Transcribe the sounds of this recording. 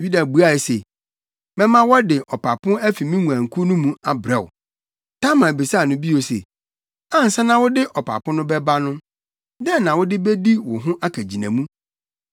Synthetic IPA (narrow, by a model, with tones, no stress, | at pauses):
ɥi˦da˨bu˨˦a˦˨e˨se˨ | bɛ˦mã˦wɔ˦dɪ˨ʔɔ˨pʰa˨pʰʊ̃˦æ˦fi˨mĩ˦ŋũ˨ã˨ŋ̩˨kʰu˦nʊ̃˦mũ˦a˨bɾɛ˨wʊ̰˨ | tʰã˦mã˨bi˨sa˦˨nʊ̃˦bi˦o˨sḛ˨ | tã˦n̩˨sa˦nã˨wʊ˦dɪ˦ʔɔ˨pʰa̰˨pʊ̃˦nʊ̃˦bɛ˦ba˦nʊ̃˦ | dɛ˦nã˨wʊ˦dɪ˦be˦di˦wʊ˨ɦʊ̃˦ʔa˦kʰæ˨d͡ʑi˨næ̰̃˨mũ˦